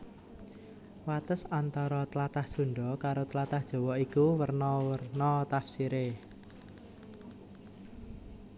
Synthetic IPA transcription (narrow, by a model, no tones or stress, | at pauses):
wat̪əsant̪ɔɾɔt̪əlat̪ahsuɳɖɔkaɾot̪lat̪ahd̥ʒ̥ɔ̤wɔikuwərnɔwərnɔt̪afsiɾe